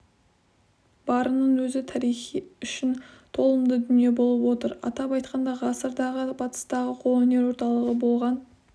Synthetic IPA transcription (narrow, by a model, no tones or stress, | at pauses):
b̥ɑɾənəɴwɵzɪt̪ʰɑɾijχiʏʃɪnt̪ʰo̞lˠəmd̪əd̪ʏnije̞bo̞lˠəpwo̞t̪əɾɑ̰t̪ɑpɑjt̪̚qɑnd̪ɑʁɑsəɾd̪ɑʁəbɑt̪ə̥st̪ɑʁəqʰo̞ɵne̞ɾwo̞ɾt̪ɑlˠəʁəbo̞lˠʁɑn